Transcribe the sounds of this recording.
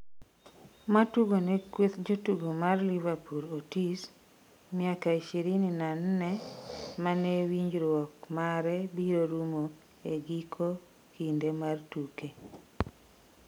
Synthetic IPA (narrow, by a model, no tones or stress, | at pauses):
matuɡonɛkwet̪d͡ʒotuɡomarlivapuɾotis | nɪakaiʃeɾininannɛmanewiɲd͡ʒɾwɔkmaɾɛbiɾoɾumo | eɡikʰo | kindemartuke